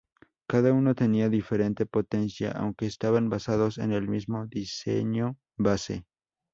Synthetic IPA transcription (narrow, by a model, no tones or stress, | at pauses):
kaðauno̞t̪e̞niaðife̞ɾe̞nt̪e̞po̞t̪e̞nsja̰ʔa̰wŋke̞ːst̪aβanbasaðo̞sḛne̞lmizmo̞ðisḛɲo | βasḛ